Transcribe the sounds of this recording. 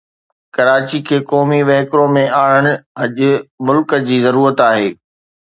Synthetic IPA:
kɐɾaːt͡ɕikʰeːkɔːmiʋɛ̃ɦːkɾõmẽaːɽəɽ̃ʊ̆ɦɐʄʊ̆mʊlkəd͡ʑiːzɐɾuːɾət̪aːɦeː

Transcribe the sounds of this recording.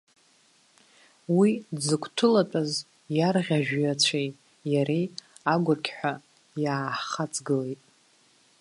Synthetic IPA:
widzɨkʷʰtʰɨlatʼaz | jarʁʲaʒᶣjat͡ɕʷʰejtʼ | jaɾej | aɡʷʊrkʲʰħʷᶣa | jaːħχat͡sʰʼɡɨlejtʼ

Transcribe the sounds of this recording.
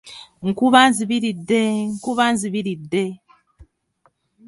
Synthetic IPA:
ŋ̩kuβanziβiɾidːeŋkuβanziβiɾidːe

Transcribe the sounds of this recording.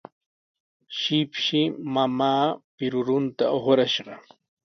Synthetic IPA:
ʃɪpʃɪmamaːpɪɾʊɾʊnt̪aoχɾaʃɢɑ

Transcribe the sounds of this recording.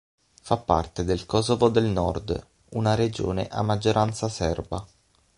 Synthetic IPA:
fapːa̰rt̪ed̪elkɔsovod̪elnɔrd̪ | unaɾed͡ʒo̰ːnḛʔa̰mːad͡ʒːoɾʔant̪sasɛrba̰

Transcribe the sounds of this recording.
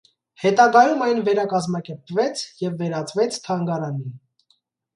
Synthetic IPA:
hɛt̪ɑɡɑjumɑjnvɛɾɑkɑzmɑkɛɾpvɛt͡sʰjɛvːɛɾɑt͡svɛt͡sʰt̪ʰɑŋɡɑɾɑnin

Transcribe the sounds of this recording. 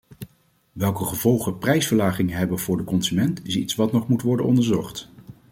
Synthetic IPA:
ʋɛlˠkəχəv̥ɔlˠχəprɛjsfəɹlaːχɪŋəɦɛbənvʊːɹdəkɔnzymɛntɪsitsʋɑtnɔχmutʋɔɹdənɔndəɹzɔχt

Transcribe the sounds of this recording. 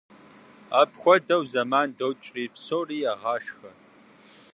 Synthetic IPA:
aːpʰxʷɔdɐwzɐmaːndowt͡ʃʼriːpsoːriːaːʁɑːʂxɐ

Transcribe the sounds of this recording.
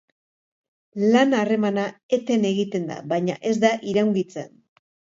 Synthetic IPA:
lanare̞manae̞t̪e̞ne̞ɣit̪e̞nd̪a̰βajɲa̰ʔe̞zd̪aʔiɾawŋɡit͡sḛn

